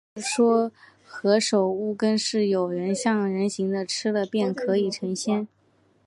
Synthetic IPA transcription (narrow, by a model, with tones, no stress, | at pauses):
ʂwɔ˥ | xɤ˧˥ʂo˨˩ʊu˥˩kə˥nʂɻ̩˥˩jo˨˩ʊɻə˧˥nɕjɑ˥˩ŋɻə˧˥nɕi˧˥ŋd̪ə˧ʈ͡ʂʰɻ̩˥d̪ə˨pjɛ˥˩nkʰɤ˧˥i˨˩ʈ͡ʂʰɤ˧˥ŋɕjɛ˥n